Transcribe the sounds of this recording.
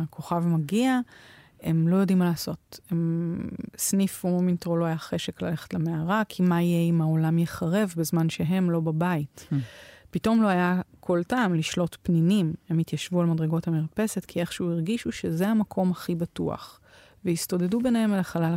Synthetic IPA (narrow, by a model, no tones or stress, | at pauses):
kʰo̞χavmaɡia | e̞mlo̞jo̞dimːalaːso̞tem | snifumomintʁoloajaχe̞ʃe̞klale̞χetlameaʁakʰimaijeimaolamjeχaʁe̞vbezmanʃe̞ɦe̞mlo̞babait | pito̞mlo̞ajakʰo̞ltaːmliʃlo̞tpnimime̞mit̪jaʃvualmadʁeɡo̞thamiʁpe̞ze̞tkʰie̞χʃeuiʁɡiʃuʃe̞zeamakʰo̞maχibatua̰χ | veisto̞de̞dube̞nehemalaχalal